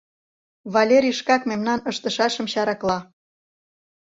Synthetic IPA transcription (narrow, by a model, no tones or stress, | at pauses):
βɑlʲeɾʲiʃkɑkmemnɑnəʃt̪əʃɑʃə̆mɕɑɾɑklˠɑ